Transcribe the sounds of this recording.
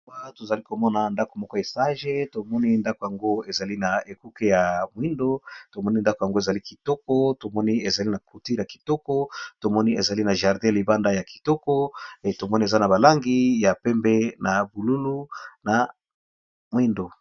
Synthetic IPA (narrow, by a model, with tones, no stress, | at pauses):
a˦to˨za˨li˦ko˨mɔ˦na˨nda˦ko˨mɔ˦kɔ˦e˨sa˦ʒe˦to˨mɔ˦ni˦nda˦ko˨ja˨ŋɡo˦e˨za˨li˦na˨e˨ku˦ke˦ja˨mwi˦ndo˦to˨mɔ˦ni˦nda˦ko˨ja˨ŋɡo˦e˨za˨li˦ki̥˨tɔ˦kɔ˦to˨mɔ˦ni˦e˨za˨li˦na˨ko˨ti˦ʁja˨ki̥˨tɔ˦kɔ˦to˨mɔ˦ni˦e˨za˨li˦na˨ʒa˨ʁdɛ̃˦˨i˨ba˦nda˦ja˨ki˨tɔ˦kɔ˦˨to˨mɔ˦ni˦e˨za˦na˨ba˨la˦ŋɡi˦ja˨pɛ˦mbɛ˦na˨bu˨lu˦lu˦na˨ | mwi˦ndo˨